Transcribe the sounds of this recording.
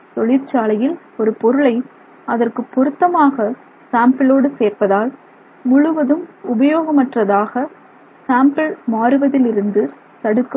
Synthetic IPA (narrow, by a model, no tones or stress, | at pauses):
t̪ɔɭɪɾt͡ʃaːlɐjɪl | ɔɾɯpɔɾɯɭɐɪ | ɐðɐrkɯpːɔɾɯt̪ːɐmaːɣɐ | saːmpɪloːɽɯseːɾpɐðaːl | mʊɻʊʋɐðɯmʊbɐjoːɣɐmɐʈrɐðaːɣɐ | saːmpɐɭmaːɾɯʋɐðɪlɪɾɯnd̪ɯ | t̪ɐɽɯkːɯm